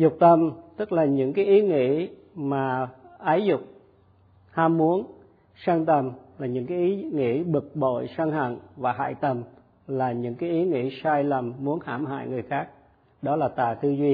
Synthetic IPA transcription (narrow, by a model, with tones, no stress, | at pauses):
zʊ˨˩k͡p̚t̪ə˨˩mt̪ɨ˦˥k̚laː˨˩ɲɨ̰˧˥ŋkaː˨˦jʔi˨˦ŋḭ˧˥ | maː˨˩ʔaː˨˦jzʊ˨˩k͡p̚ | haː˧mːu˨˦ən | saː˧ŋt̪ə˨˩mlaː˨˩ɲɨ̰˧˥ŋkaː˨˦jʔi˨˦ŋḭ˧˥ɓɨ˨˩k̚ɓo̰˧˨jsaː˧ŋɦa̰˧˨ŋvaː˨˩ɦa̰ː˧˨jt̪ə˨˩m | laː˨˩ɲɨ̰˧˥ŋkaː˨˦jʔi˨˦ŋḭ˧˥saː˧jlə˨˩mːu˨˦ənha̰ː˧˩mha̰ː˧˨jŋɨ˨˩əjxaː˦˥k̚ | ɗɔ˨˦laː˨˩t̪a̰ː˨˩t̪ɨ˧zwi˧